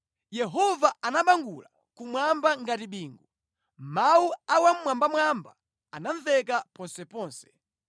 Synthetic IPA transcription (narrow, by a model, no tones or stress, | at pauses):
jɛɦɔvaanaɓaŋɡula | kumwambaŋɡatiɓiːŋɡu | mauawam̩ːwambamwamba | anaɱvɛkapɔnsɛpɔːnsɛ̥